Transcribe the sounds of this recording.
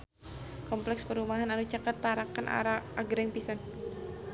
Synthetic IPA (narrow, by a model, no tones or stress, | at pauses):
kɔmplɛkspəɾumaɦananut͡ʃakat̪ːaɾakanʔa̰ɾaʔaɡɾɛŋpisan